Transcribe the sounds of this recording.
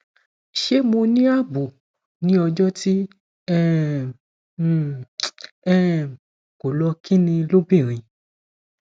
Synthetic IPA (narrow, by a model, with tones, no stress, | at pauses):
ʃe˦mõ˧nĩ˦a˦˨bu˨ | nĩ˦ɔ˧d͡ʒɔ˦ti˦ | ɛ˦˨ | ɛ˦˨ | ko˨lɔ˧˦kĩ˦nĩ˧lo˦bĩ˦˨ɾ̃ĩ˧